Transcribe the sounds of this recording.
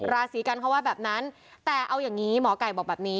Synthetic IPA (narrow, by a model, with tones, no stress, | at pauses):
ɾaː˧siː˩˦ka˧nkʰa˦˥waː˥˩bɛː˨˩p̚na˦˥n | t̪ɛː˨˩ʔa˧wjaː˨˩ŋːiː˦˥mɔː˩˦ka˨˩jbɔː˨˩bɛː˨˩p̚niː˦˥